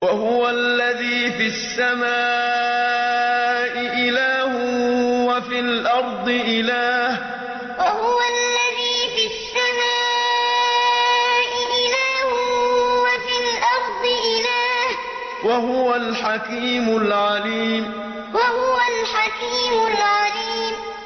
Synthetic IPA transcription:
wahʊwalːaðiːfisːamaː | ʔɪʔɪlaːhʊwafilʔɑɾˤd̪ˤɨʔɪlaːh | wahʊwalːaðiːfisːamaː | ʔɪʔɪlaːhwafilʔɑɾˤd̪ˤɨʔɪlaːh | wahʊwalħakiːmʊlʕaliːm | wahʊwalħakiːmʊlʕaliːm

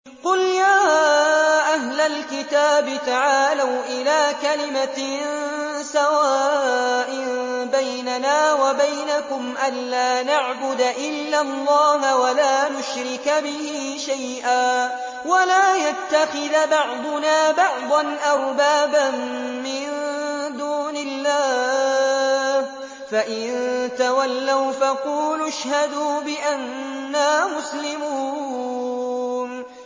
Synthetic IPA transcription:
qʊljaː | ʔaɦlalkɪt̪aːbɪt̪aʕaːlawʔɪlaːkalɪma | sawaːʔɪmbajnanaːwabajnakʊmʔanlaːnaʕbʊd̪aʔɪlːalˤːɑːhwalaːnʊʃɾɪkbɪhiːʃajʔaː | walaːjat̪ːaxɪðbɑʕd̪ˤʊnaːbɑʕd̪ˤɑnʔɑɾˤbaːbanː | ɪnd̪uːnɪlːaː | h | faʔɪnnt̪awalːawfaquːlʊʃhad̪uːbɪʔanːaːmʊslɪmuː | n

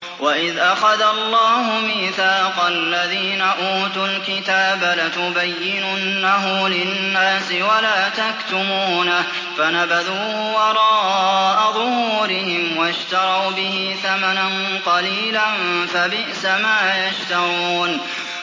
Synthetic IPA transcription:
waʔɪðʔaxaðalˤːɑːɦʊmiːθaːqɑlːaðiːnaʔuːt̪ʊlkɪt̪aːbalat̪ʊbajːɪnʊnːaɦʊmlɪnnːaːsɪwalaːt̪akt̪ʊmuuːnah | fanabaðuː | wɑɾˤɑːʔaðʊhuuːɾɪhɪmwaʃt̪ɑɾˤɑwbɪhɪθamanan | qɑliːlanfabɪʔsamaːjaʃt̪aɾuːn

